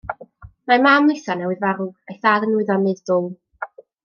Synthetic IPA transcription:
mamaːmlˠɨθanɛwɨðvaɾʊɡajθaːðənwɨðɔnɨðdʊlˠ

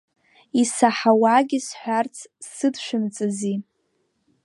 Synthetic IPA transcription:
isaħawaɡʲisħʷᶣart͡sʰsɨdʃʷᶣɪmt͡sʼɨzi

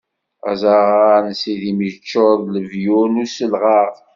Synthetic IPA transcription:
æ̰zaʁansiðimit͡ʃːoðləvjunusəlʁɑɾ

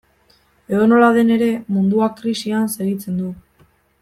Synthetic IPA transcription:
eðono̞lað̞e̞ne̞ɾe̞mund̪uakɾisianse̞ɣit͡se̞nd̪u

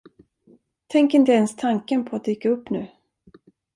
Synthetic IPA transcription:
t̪ʰɛŋkɪnt̪əɛnst̪ʰaŋkənpʰɔat̪̚d̪yːkːaɵpːnʉ̟ː

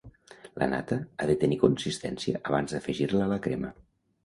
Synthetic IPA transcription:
lʔə̰na̰t̪əaðət̪ənikunsist̪ɛnsiəʔəβ̞anzðəfəʒiɾləːləkɾemə

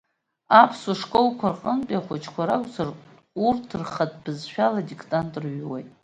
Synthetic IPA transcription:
apʰsuʂkʼolkʷʰarqʼənpʼjaχʷat͡ʃʼʰkʷʰaɾakʷʼzar | urtʰɨrχat̚ʰʼb̥ɨzʃᶣaladikʰtʼantʼrɥwajtʼ

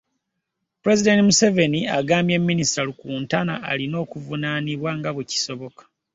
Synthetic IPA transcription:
puɾe̞zide̞ntimuse̞ve̞niaɡaːmbje̞mːinistalukuːntanaalino̞ːkuvunaniβwaŋɡaβuci̥so̞βo̞kḁ

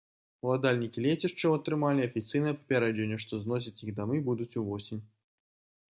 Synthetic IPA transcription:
lˠad̪alʲnʲikʲilʲet͡sʲiʂt͡ʂːɐwɐt̪ɾɨmalʲiɐfʲit̪sɨjnɐjɛpɐ̥pʲɛɾɛʐɛnʲːɛʂt̪ɔznɔs̬ʲɐt͡sʲjiɣd̪amɨbud̪ut͡sʲuvɔsʲinʲ

